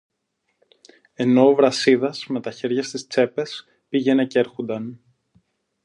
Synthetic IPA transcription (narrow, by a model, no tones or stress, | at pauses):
e̞no̞ːvɾɐsiðɐsme̞t̪ɐçe̞ɾʝɐst̪ist͡se̞pe̞s | piʝe̞ne̞ce̞ɾxond̪ɐn